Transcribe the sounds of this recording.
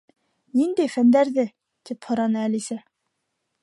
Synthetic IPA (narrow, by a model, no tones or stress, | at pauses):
nind̪æjfænd̪æɾðɘ | t̪iphŏɾɑnɤælisæ